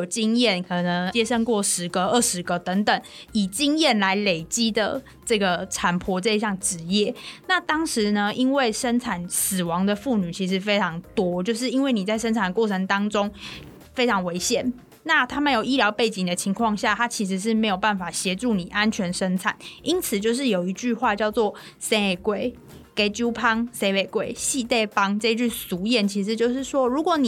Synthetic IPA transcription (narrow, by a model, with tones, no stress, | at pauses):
jo˨˩ʊt͡ɕi˥ŋjɛ˥˩nkʰɤ˨˩nə˧˦ŋt͡ɕjɛ˥ʂə˥˧ŋkwɔ˥˩ʂɻ̩˧˥ɡə˧ə˥˩ʂɻ̩˧˥ɡə˧t̪ə˧˥ŋt̪ə˨˩ŋi˨˩t͡ɕi˥ŋjɛ˥˩nla˧˥ɪle˨˩ɪt͡ɕi˦˥d̪ə̰˨ | ʈ͡ʂɤ˥˩ɡə˩ʈ͡ʂʰa˨˩npʰwɔ˧˥ʈ͡ʂə˥˧ɕjɑ˥˩ŋʈ͡ʂɻ̩˧˥jɛ˥˩˨na˥˩t̪ɑ˥ŋʂɻ̩˧˦nə˧ʔi˥nwe˥˩ɪʂə˥nʈ͡ʂʰa˨˩ns̩˨˩wɑ˧˦ŋd̪ə˨fu˥˩ny˨˩t͡ɕʰi˧˥ʂ̬ɻ̩˧˥fe˥ɪʈ͡ʂʰɑ˧˥ŋt̪wɔ˥t͡ɕjo˥˧ʊʂ̬ɻ̩˥˩i˥nwe˥˩ɪni˨˩t͡sa˥˩ɪʂ̬ə˥nt͡sʰa˨˩nd̪ə˩kwɔ˥˩ʈ͡ʂʰə˧˥ŋt̪ɑ˥ŋʈ͡ʂo˥ŋ | fe˥ɪʈ͡ʂʰɑ˧˥ŋwe˧˥ɪɕjɛ˨˩˦n | na˥˩t̪ʰa˥mə˨jo˨˩ʊi˥ljɑ˧˥ʊpe˥˩ɪt͡ɕi˨˩ŋd̪ə˦t͡ɕʰi˧˥ŋkʰwɑ˥˧ŋɕja˥˩t̪ʰa˥t͡ɕʰi˧˥ʂ̬ɻ̩˧˥ʂ̬ɻ̩˥˩me˧˥ɪjo˨˩ʊpa˥˩nfa˨˩ɕjɛ˧˥ʈ͡ʂu˥˩ni˨˩ʔa˦nt͡ɕʰɥɛ˧˥nʂə˥nt͡sʰa̰˨˩˦ni˥nt͡sʰɹ̩˨˩t͡ɕjo˥˧ʊʂ̬ɻ̩˥˩jo˨˩ʊi˧˥t͡ɕy˥˧xwa˥˧t͡ɕjɑ˥˧ʊt͡swɔ˥˨ | se˥˨˩kwe˨˩ɪ | ke˥ɪt͡ɕju˥pʰɑ˥ŋse˥ɪpe˨˩ɪkwe˥˩ɪɕi˥˧t̪e˥˩ɪpɑ˥ŋʈ͡ʂɤ˥˧i˧˥t͡ɕy˥˩su˨˧˥jɛ˨˦nt͡ɕʰi˧˥ʂ̬ɻ̩˧˦t͡ɕjo˥˧ʊʂɻ̩˥˩ʂwɔ˥ɻu˧˥kwɔ˧˦ni˨